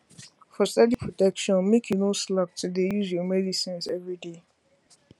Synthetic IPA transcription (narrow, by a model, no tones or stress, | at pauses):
fɔstɛdipʰɹotɛkʃɔ̃nmekʰjunoslap̚tudejuzjɔmɛdisĩnsɛvɹide